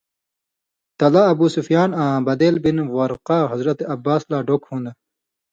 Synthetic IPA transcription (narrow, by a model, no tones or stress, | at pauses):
t̪ɐlaːbuːsufjaːnãːbɐd̪eːlbinwɐɾqaːɦɐzɾɐt̪eɐbːaːslaːɖokhũːnd̪a